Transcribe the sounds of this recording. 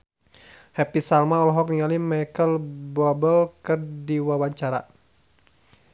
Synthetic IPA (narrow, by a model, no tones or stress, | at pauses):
hɛpisalmaɔlɔɦɔk̚niŋalimajkəlbɔbəlkɨrdiwawaɲt͡ʃaɾa̰